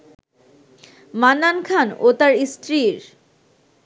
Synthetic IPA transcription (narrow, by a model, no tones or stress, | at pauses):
manːankʰanot̪aɾistɾiɾ